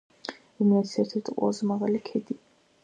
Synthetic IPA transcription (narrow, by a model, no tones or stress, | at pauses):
imiat̪sɛɾt̪ʰɛɾt̪ʰqʼɔ̰zɛmaʁalikʰɛd̪i